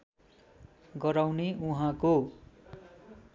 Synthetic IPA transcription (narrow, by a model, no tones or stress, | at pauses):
ɡʌɾawneuɦãko